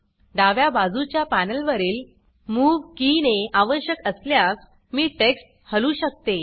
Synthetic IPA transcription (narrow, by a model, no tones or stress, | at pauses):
ɖ̪aʋjabad͡zut͡ɕjapænəlʋəɾiːl | muːʋkineaʋəɾɕjəkəsljak | miːʈeksʈ̚ | həlũːɕək̚t̪e